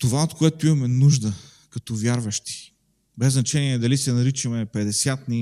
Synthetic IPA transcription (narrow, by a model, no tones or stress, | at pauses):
t̪ovaot̪koɛt̪oimɐmɛnuʒd̪ə | kɐt̪ɔvʲjaɾvəʃt̪i̥ | bɛznɐt͡ʃɛniɛd̪ɐlisɛnɐɾit͡ʃɐmɛpɛd̪ɛsʲjat̪ni